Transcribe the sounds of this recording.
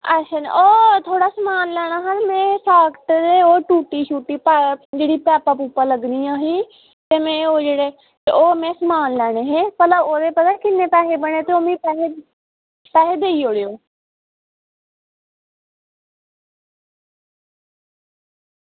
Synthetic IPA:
əʃʰaːn̰ːoːt̪ʰoːɽaːsəmaːnlɛːɽ̃aːɦanmɛ̃ːsaːkʈd̪eoːʈuːʈiːʃuːʈːiːpɛd͡ʒeːɽiːpɛːpapuːpːaːləɡniːaːɦĩː | t̪eːmɛ̃ːoːd͡ʒeːɽeː | oːmɛ̃ːsəmaːnlɛːɽ̃eːɦɛ̃ːpəlaoːd̪eːpət̪aːkɪnːẽːpɛːɦeːbəɳ̃eːt̪eːoːmĩːpɛːɦeː | pɛːɦeːd̪eːiːoːɽejoː

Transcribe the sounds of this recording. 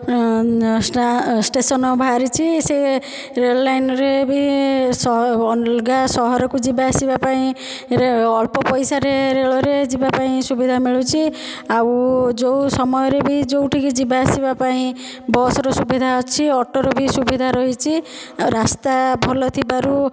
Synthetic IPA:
ssʈesɔnɔbʱaaaɾit͡ʃʰise | ɾelajnɔɾebʱisɔɡasɔɦɔɾɔkud͡ʒibasibapaĩ | ɾɔlpɔpɔjsaɾeɾeɭɔɾed͡ʒibapaĩsubid̪ʱamiɭut͡ʃʰi | awd͡ʒowsɔmɔjɔɾebʱid͡ʒowʈʰikid͡ʒibasibapaĩ | bɔsɔɾɔsubid̪ʱaɔt͡ʃʰiɔʈɔɾɔbʱisubid̪ʱaɾɔɦit͡ʃʰi | ɾast̪abʱɔlɔt̪ʰibaɾu

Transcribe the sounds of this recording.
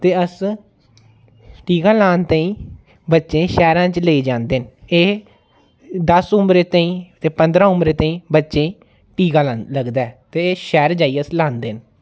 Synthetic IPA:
t̪eːəs | ʈiːɡãːlaːnt̪aːĩː | bətːʃẽːʃɛːɾãːt͡ʃleiːd͡ʒãːnd̪eːneː | d̪əsʊmɾeːt̪aːĩːt̪eːpənd̪ɾãːʊmbɾeːt̪aĩːbətːʃẽː | ʈiːɡãːləɡd̪aɛːt̪eːeːʃɛːɾd͡ʒaːiːəslãːnd̪eːn

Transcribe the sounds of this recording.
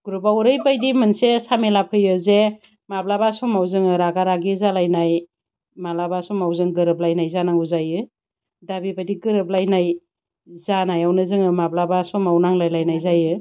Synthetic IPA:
ɡ̥uɾubawɾɯjbajdimɯnsesamelapʰɯjɯze | mablabasɔmawzɯŋɯɾaɡaɾaɡizalajnaj | malabasɔmawzɯŋɡɯɾɯp̚lajnajzanaŋuzajɯ | dabibadiɡɯɾɯp̚lajnaj | zanajawnɯzɯŋɯmablabasɔmawnaŋlajlajnajzajɯ

